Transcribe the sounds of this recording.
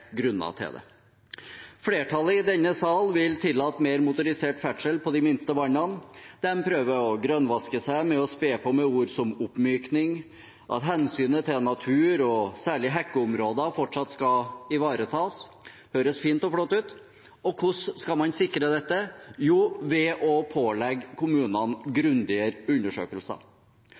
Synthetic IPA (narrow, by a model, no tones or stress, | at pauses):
ɡɾʉnːɑ̰t̪ʰɪ̰ld̪ɛ̰ | fleːʈʰɑlːəɪd̪ɛnːəsɑlʋɪlt̪ʰɪlːɑːt̪meːɾmʊt̪ʊɾɪseːʈfæʈʂəlpʰɔd̪ɪmɪnst̪əʋɑnɑnd̪̥ɛmpʰɾøːʋəɔɡɾœnʋɑskəsæɪmɛɔspeːpʰɔmɛuːɾsɔmʊpːmyːknɪŋ | ʔɑ̰t̪ɦɛnsyːnət̪ʰɪlnɑt̪ʰʉːɾɔsæːɭɪɦɛkːəʊmɾoːd̪əfɔʈʂɑt̪ːskɑɪʋɑːɾət̪ʰɑːs | høːɾəsfiːnt̪ɔflɔt̪ːʉːt̪ | ɔkʰʊʂːkɑmɑnsɪkːɾəd̪ɛt̪ːəjuːʋɛʔɔpʰoːlɛɡkʰʊmʉːnənɡɾʉnd̪ɪəɾʉnːəʂø̰ːkəlsə̰